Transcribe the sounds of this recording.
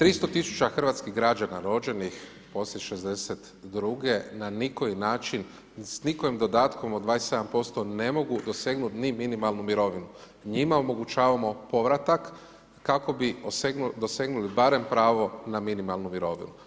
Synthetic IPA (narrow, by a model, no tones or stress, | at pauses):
t̪ɾist̪o̞t̪isu̥t͡ʃaxr̩ʋaːt̪skiɦɡɾad͡ʒanaɾo̞d͡ʒe̞nix | po̞slʲeʃezd̪e̞set̪ | d̪ɾuɡe̞naniko̞inaːt͡ʃin | sniko̞ʋimd̪o̞d̪aːt̪ko̞mod̪ʋaːese̞d̪ampo̞st̪o̞ne̞mo̞ɡud̪o̞seɡnut̪niminimalˠnumiɾo̞ʋinu | ɲimao̞mo̞ɡut͡ʃaːʋamo̞po̞ʋɾat̪akː | ako̞biosed̪o̞seɡnulibaɾe̞mpɾaːʋo̞naminimalˠnumiɾo̞ʋḭnu